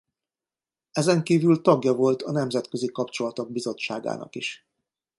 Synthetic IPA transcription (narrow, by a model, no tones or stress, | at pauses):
ɛzɛŋkiːvylt̪ɒɡjɒvo̞lt̪ɒnɛmzɛt̪kø̞zikɒpt͡ʃo̞lɒt̪oɡ̚bizo̞t͡ʃːaːɡa̰ːnʔɒ̰kiʃ